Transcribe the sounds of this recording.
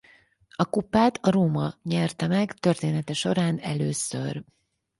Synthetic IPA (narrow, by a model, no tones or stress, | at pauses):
ɒkupːaːt̪ʰɒɾoːmɒɲɛrt̪ɛmɛɡt̪ørt̪eːnɛt̪ɛʃo̞ɾaːnɛløːsø̰r